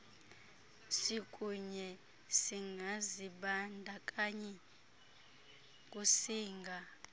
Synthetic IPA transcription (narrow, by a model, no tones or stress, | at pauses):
sikʼuɲɛ | siŋʱaziɓandʱakʼaɲɛ | k̬ʼusiːŋɡʱa